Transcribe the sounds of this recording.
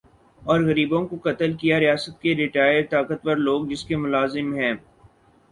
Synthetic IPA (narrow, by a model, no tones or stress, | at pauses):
ɔːɾɣɐɾiːbõkokɐt̪əlkijaɾijaːsət̪keɾɪʈaːjəɾt̪aːkət̪̚pɐɾloːɡ̚d͡ʒɪskemʊlaːzɪmɦɛ̃ː